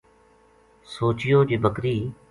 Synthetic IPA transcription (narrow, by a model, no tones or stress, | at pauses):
soːt͡ʃɪjoːd͡ʒiːbəkɾiː